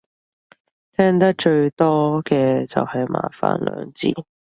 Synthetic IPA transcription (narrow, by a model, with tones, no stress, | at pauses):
t̪ʰɛː˥ŋt̪ɐ˥k̚t͡ʃɵ˧ɥt̪ɔː˥kɛː˧t͡sɐ̰˨whɐ˨jmʔa̰ː˨˩fa̰ː˨nlœ̰ː˨˧ŋt͡sḭː˧